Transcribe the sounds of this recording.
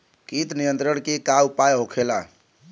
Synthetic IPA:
kit̪nijənt̪ɾəɽkekaupajɦokʰela̰

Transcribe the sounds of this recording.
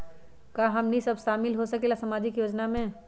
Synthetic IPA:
kaɦɐmnisɐbʃaːmɪlɦosɐkelasɐmaːd͡ʒɪkjoːd͡ʒnamẽː

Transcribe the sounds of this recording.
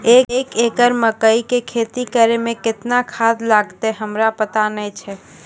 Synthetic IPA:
eekekəɾməkəikekʰet̪ikəɾemẽkɪt̪nakʰad̪laɡt̪eɦəmɾapət̪anɛt͡ʃʰɛ

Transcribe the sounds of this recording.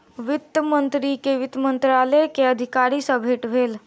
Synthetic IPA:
ʋɪt̪ːjəmə̃nt̪ɾikeʋɪt̪mə̃nt̪ɾaləjkeəd̪ʱɪkaːɾisə̃bʱeːʈbʱeːl

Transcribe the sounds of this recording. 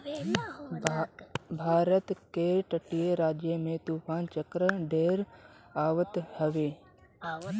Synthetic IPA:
bʱaːɾət̪keʈəʈijeɾaːd͡ʒjəmẽt̪uːpʰaːnt͡ʃəkɾəɖeːɾ | aːʋət̪həʋeː

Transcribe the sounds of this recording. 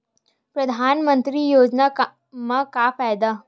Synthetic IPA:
pɾɐd̪ʱaːnmə̃nt̪ɾijoːd͡ʒna | mãkafaːd̪a

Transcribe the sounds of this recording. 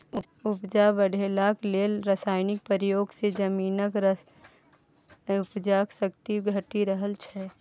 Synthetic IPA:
ʊpd͡ʒabəɽ̤ʱeːlakleːlɾəsaːɪnɪk̚pəɾijoːɡsed͡ʒəmiːnəkɾ | ʊpd͡ʒaksəkt̪iɡʱəʈiɾəɦəlt͡ʃʰɛ

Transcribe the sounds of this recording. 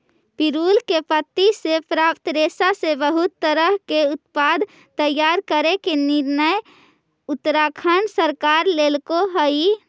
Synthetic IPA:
piɾuːlkepət̪ːisepɾaːpt̪ɾesasebəɦʊt̪ːəɾəɦkeʊt̪pad̪ | t̪əjːaɾkəɾekenɪɾnəj | ʊt̪ːɾakʰənsəɾkaɾlelkoɦəi

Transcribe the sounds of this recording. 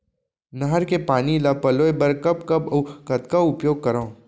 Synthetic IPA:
nɐɦəɾkepaːnilapɐloːbɐɾkɐpkɐbɐkɐt̪kaʊpjoːɡ̚kɐɾãː

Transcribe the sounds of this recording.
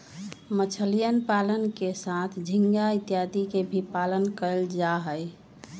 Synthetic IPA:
mət͡ʃʰəlijənpalənkesat̪ʰd͡ʒʱiŋɡait̪ijad̪ikebʱipalənkəld͡ʒaɦəj

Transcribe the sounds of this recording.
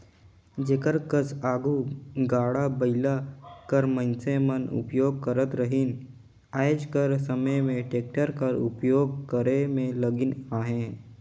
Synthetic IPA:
d͡ʒeːkəɾkəsaːɡuɡaːɽabəɪlakəɾmə̃nsemənʊ̰pjoːɡ̚kəɾət̪ɾəɦɪn | aːɪd͡ʒkəɾsəməjmẽʈeːk̚ʈəɾkəɾʊ̰pjoːɡ̚kəɾemẽləɡɪnaːɦẽː

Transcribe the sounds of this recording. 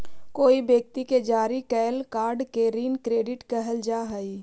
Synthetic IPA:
koːibjek̚t̪iked͡ʒaːɾikɛːlkaːɾɖkeɾiːnkɾeːɖɪʈkəɦəld͡ʒaːɦəi

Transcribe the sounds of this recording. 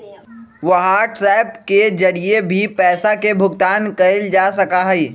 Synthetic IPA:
ʋɐɦaʈɾɛːpked͡ʒɐɾiebʱipɛːsakebʱʊɡt̪aːnkɐɪld͡ʒaːsɐkaɦɛiː

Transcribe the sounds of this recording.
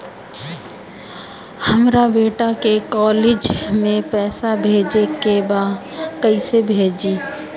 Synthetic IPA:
həmɾabeːʈakekɔːleːd͡ʒmẽpɛːsabʱeːd͡ʒekebaː | kəisebʱeːd͡ʒiː

